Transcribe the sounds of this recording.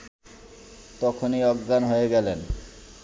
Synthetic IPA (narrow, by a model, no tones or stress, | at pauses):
t̪ɔkʰoniɔɡːanɦoeɡɛlen